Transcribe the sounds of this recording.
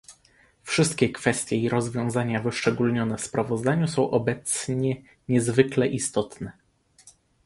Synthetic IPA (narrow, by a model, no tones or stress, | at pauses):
fʂɘst̪̚kʲɛkfɛst̪ʲjɛiɾɔzvʲjɔ̃w̃zaɲavɘʂt͡ʂɛɡulɲɔnɛfspɾavɔzd̪aɲusɔ̃w̃ʔɔbɛt̪sɲɛ | ɲɛzvɘklɛʔist̪ɔt̪nɛ